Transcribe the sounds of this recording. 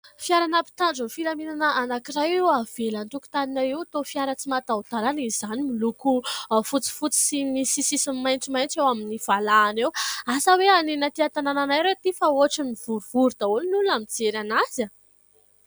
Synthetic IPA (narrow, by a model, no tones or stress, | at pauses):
fiaɾanəpi̥t̪aɳɖ͡ʐunfiɾaminanəʔanakiɾajiav̥elant̪uku̥t̪aninaiwt̪ofiaɾət͡simat̪aud̪aɾanizanimilukufut͡si̥fut͡si̥simisisisimmajnʈ͡ʂimajnt͡sewaminiv̥alaːnewasəweanenət̪iat̪anananajɾewt̪ifaoaʈ͡ʂiniv̥uɾuv̥uɾd̪aulunulunamid͡zeɾanazə